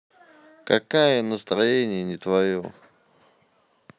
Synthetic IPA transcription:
kɐkajənəst̪ɾɐjenʲɪjənʲɪt̪vɐjo̰

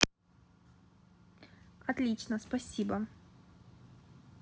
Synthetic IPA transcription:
ɐt̪lʲit͡ɕnəspɐsʲibə

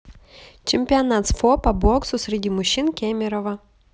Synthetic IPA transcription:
t͡ʃʲɪmʲpʲɪɐnat̪sfɔpɐbɔksʊsʲɾʲɪdʲimʊɕʲːinkʲɛmʲɪɾɔʋɐ

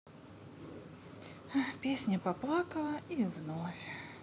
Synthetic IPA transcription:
apʲesʲnʲɐpɐplˠakəlˠəivnofʲ

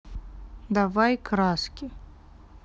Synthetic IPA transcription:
d̪avajkɾaskʲi

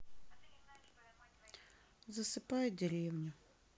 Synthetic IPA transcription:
zɐsɨpajʊdʲeɾʲewnʲʊ

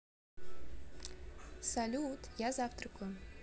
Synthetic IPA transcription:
salʲuut̪jazɑft̪rkʰʊ

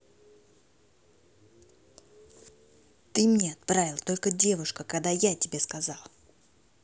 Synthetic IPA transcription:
t̪ɨmnʲeɐt̪̚pɾavʲɪlˠt̪o̞lʲkədʲe̞vʊʂkəkɐɡd̪ajatʲɪbʲe̞skɐzɑlˠ

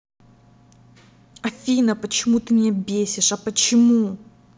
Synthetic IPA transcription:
ɐfʲinəpət͡ɕɪmut̪ɨmʲɪnʲabʲesʲɪʂɐpət͡ɕɪmu

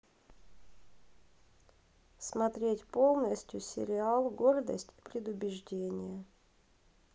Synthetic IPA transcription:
smɐt̪ɾʲetʲpo̞lˠnəsʲtʲjʊsʲɪ̰ɾʲɪalˠɡo̞rd̪ə̰sʲtʲi̥pɾʲɪd̪ʊbʲɪʐdʲenʲɪjə

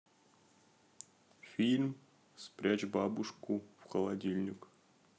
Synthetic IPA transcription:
fʲilʲm | spɾʲat͡ɕbabuʂkufxəlˠadʲilʲnʲɪk

